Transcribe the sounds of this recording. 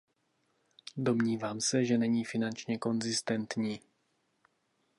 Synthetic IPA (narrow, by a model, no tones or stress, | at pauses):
do̞mɲiːvaːmsɛʒɛnɛɲiːfɪnant͡ʃɲɛko̞nzɪst̪ɛnt̪ɲiː